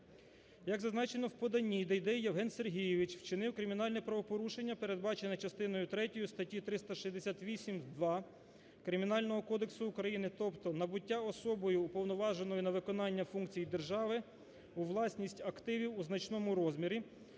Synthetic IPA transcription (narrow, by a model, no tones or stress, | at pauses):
jɐɡzɐznɑt͡ʃenɔwpɔd̪ɐnʲːid̪ɛjd̪ɛjijewɦɛnserɦʲijeʋʲit͡ʃwt͡ʃɪnɪwkɾɪmʲinɑlʲnɛpɾɐʋɔpɔɾuʃe̞nʲːɐpe̞ɾed̪̚bɑt͡ʃenɐt͡ʃɐst̪ɪnɔjʊt̪ɾɛtʲɔjʊst̪ɐtʲit̪ɾɪst̪ɐʃizʲd̪esʲat̪ʲʋʲisʲimd̪ʋɑ | kɾɪmʲinɑlʲnɔɦɔkɔd̪eksʊːkɾɐjinɪt̪ɔpt̪ɔnɐbʊtʲːaɔsɔbɔjʊːpɔwnɔʋɑʒenɔjʊnɐʋɪkɔnɑnʲːɐfuŋkt͡sʲijid̪e̞rʒɑʋɪ | uʋlˠɑsʲnʲisʲtʲɐkt̪ɪʋʲiwuznɐt͡ʃnɔmʊɾɔzmʲiɾʲi